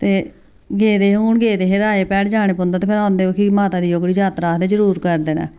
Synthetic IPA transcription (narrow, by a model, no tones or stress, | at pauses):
t̪eː | ɡeːd̪eːɦuːɳɡeːd̪eːɦeɾaːeːpɛːɽd͡ʒaːɽ̃eːpʊnd̪aːt̪eːpʰɪɾãːʊnd̪eːoːkimaːt̪aːd̪iːjoːɡɽid͡ʒaːt̪ɾaːd̪eːd͡ʒəɾuːɾkəɾd̪eːna̰ː